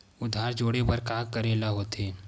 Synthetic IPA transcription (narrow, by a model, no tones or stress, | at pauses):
ʊd̪ʱaːɾd͡ʒoːɽebɐɾkaːkkɐɾeːlaɦoːt̪eː